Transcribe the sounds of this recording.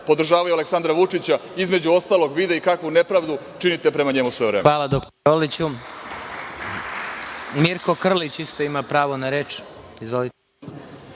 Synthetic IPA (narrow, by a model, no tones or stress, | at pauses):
po̞d̪r̩ʒaːʋajualeksand̪ɾaʋut͡ʂit͡ɕaizme̞d͡ʑuo̞st̪aːlˠo̞ɡʋid̪eikakʋunepɾaːʋd̪u | t͡ʃinit̪epɾemaɲe̞musʋovɾeːmʋaːlˠad̪okt̪ | olit͡ɕu | miɾko̞kr̩lit͡ɕist̪o̞imapɾaːʋo̞naɾeːt͡ʂizʋolit̪